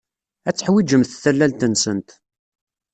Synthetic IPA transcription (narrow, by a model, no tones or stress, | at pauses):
æt͡sːəħwid͡ʒəmθθælːælt̪ənsənt̪